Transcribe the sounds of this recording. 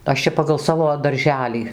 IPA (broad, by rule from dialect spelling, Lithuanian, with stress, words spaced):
ˈɐʃ t͡ʃʲɛ pɐɡɐlˠ ˈsɑːʋoː dɐrʲˈʒʲæːlʲiː